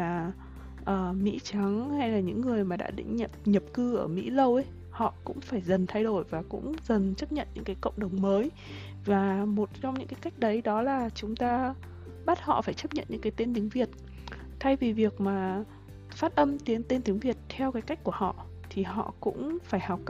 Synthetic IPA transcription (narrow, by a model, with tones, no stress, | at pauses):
aː˨˩ | ʔəː˧˩mḭ˧˥t͡ɕa˨˦ŋha˧jlaː˨˩ɲɨ̰˧˥ŋːɨ˨˩əjmaː˨˩ɗa̰ː˧˥ɗḭ̈˧˥ŋ̟ɲə˨˩p̚ɲə˨˩p̚kɨ˧ʔəː˧˩mḭ˧˥lə˧wʔj | hɔ̰˧˨kʊ̰˧˥ŋ͡mfaː˧˩jzə˨˩nt̪ʰa˧jɗo˧˩jvaː˨˩kʊ̰˧˥ŋ͡mzə˨˩nt͡ɕə˦˥p̚ɲə̰˧˨nɲɨ̰˧˥ŋkaː˨˦jkə̰˧˨wŋ͡mɗə˨˩wŋ͡mməː˨˦j | vaː˨˩mo˨˩t̚t͡ɕɔ˧wŋ͡mɲɨ̰˧˥ŋkaː˨˦jka˦˥jk̟̚ɗə˨˦jɗɔ˨˦laː˨˩t͡ɕʊ˨˦ŋ͡mt̪aː˧ | ɓa˦˥t̚hɔ̰˧˨faː˧˩jt͡ɕə˦˥p̚ɲə̰˧˨nɲɨ̰˧˥ŋkaː˨˦jt̪e˧nt̪i˨˦əŋvi˨˩ət̚ | t̪ʰa˧jvi˨˩vi˨˩ək̚maː˨˩ | faː˦˥t̚ʔə˧mt̪i˨˦əŋt̪e˧nt̪i˨˦əŋvi˨˩ət̚t̪ʰɛ˧wkaː˨˦jka˦˥jk̟ku˧˩əhɔ̰˧˨ | t̪ʰi˨˩ɦɔ̰˧˨kʊ̰˧˥ŋ͡mfaː˧˩jhɔ˨˩wk͡p̚